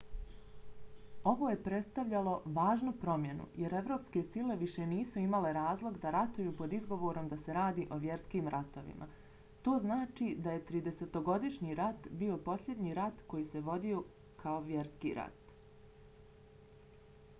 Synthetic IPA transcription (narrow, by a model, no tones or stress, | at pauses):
o̞ʋo̞ːje̞pɾe̞t̪st̪aʋʎalo̞ʋaːʒnupɾo̞mje̞nṵje̞ɾe̞ʋɾo̞ːpske̞sile̞ʋiʃe̞niːsuimale̞ɾaːzlˠo̞ɡd̪aɾat̪ujuːpo̞d̪izɡo̞ʋo̞ːɾo̞md̪ase̞ɾaːd̪iːʔo̞ʋje̞ɾskiːmɾat̪o̞ʋḭmʔa̰ | t̪o̞ːznaːt͡ʃid̪aje̞t̪ɾiːd̪e̞se̞t̪o̞ɡo̞d̪iʃɲiɾat̪biːo̞po̞slʎʲe̞d̪ɲiɾat̪ko̞jiːse̞ʋo̞d̪io̞ | kʰao̞ʋje̞ɾskḭɾa̰t̪